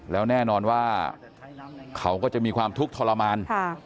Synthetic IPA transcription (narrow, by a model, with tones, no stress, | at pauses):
lɛː˦˥wnɛː˥˩nɔː˧nwaː˥˩ | kʰa˦˥wkɔː˥˩t͡ɕa˨ʔmiː˧kʰwaː˧mt̪ʰu˦˥k̚t̪ʰɔː˧la˧maː˧nʰ˥˩